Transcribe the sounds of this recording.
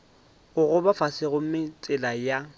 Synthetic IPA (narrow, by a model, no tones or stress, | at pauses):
ɣʊɣʊbafasɪɣʊmɪt͡sʼɪlaja